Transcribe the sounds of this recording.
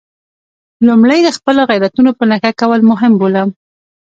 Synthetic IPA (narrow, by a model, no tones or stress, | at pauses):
lumɽajd̪əxpəloɣajɾat̪unopənaxakawəlmʊɦɪmbolam